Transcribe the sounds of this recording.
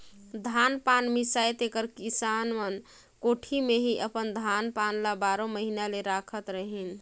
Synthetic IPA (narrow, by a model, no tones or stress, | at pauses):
d̪ʱanpanmisajt̪ekəɾkisanmən | koʈʰimeɦiʔəpənd̪ʱanpanlabaɾoməɦinaleɾakʰət̪ɾəɦin